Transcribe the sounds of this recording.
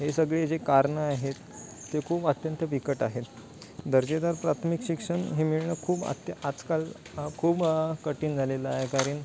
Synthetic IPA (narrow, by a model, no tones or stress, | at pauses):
ɦesəɡɭed͡ʑekaɾɳəaɦet̪ː | ekʰuːbət̪jənt̪əʋikəʈaɦet̪ | d̪əɾd͡ʑed̪aɾpɾat̪ʰmikɕikʂəɳɦemiɭɳəkʰuːba̰t̪ad͡zkal | kʰuːbkəʈiːnd͡zʱaleləaɦekaɾəːn